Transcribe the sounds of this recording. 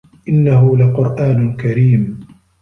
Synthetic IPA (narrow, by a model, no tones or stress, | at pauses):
ʔɪnːaɦʊlaqʊɾʔaːnkaɾiːm